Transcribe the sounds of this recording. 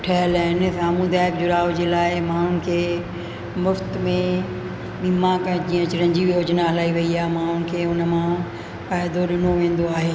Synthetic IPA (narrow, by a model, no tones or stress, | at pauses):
ʈʰɐɦəlaːɪn̆saːmũd̪aːɪkd͡ʑʊɾaːʋd͡ʑeːlaːɪmãːʊn̆kʰeː | mʊft̪mẽ | ɓimãkɐ̃ɪ̃d͡ʑiːə̃t͡ɕɪɾə̃ɲd͡ʑiʋijoːd͡ʑnaɦɐlaːiʋɐiaːɦmãɦʊn̆kʰeːʊnəmã | faːɪd̪oɗɪnoʋẽːn̆d̪oaːɦeː